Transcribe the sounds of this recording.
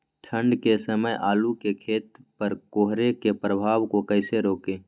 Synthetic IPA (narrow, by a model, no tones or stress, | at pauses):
ʈʰə̃ɳɖkesəməjʔaːlukekʰeːt̪pəɾkoːɦɾekepɾəbʱaːwkokəːseɾoːkeː